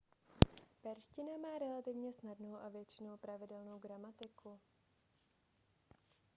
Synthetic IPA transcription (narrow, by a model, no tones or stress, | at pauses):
pɛɾscɪnamaːɾɛlat̪ɪvɲɛsnadno̞wʔavjɛt͡ʃɪno̞wpɾavɪdɛlno̞wɡɾamat̪ɪku